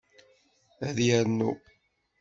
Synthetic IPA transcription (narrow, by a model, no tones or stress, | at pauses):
æðjæɾnːṵ